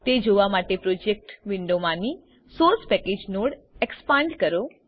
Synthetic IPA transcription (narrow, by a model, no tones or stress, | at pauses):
t̪ed͡ʒoʋamaʈepɾod͡ʒek̚ʈʋɪɳɖomãni | soɾspɛked͡ʒnoɽ | ekspãɳɖkəɾo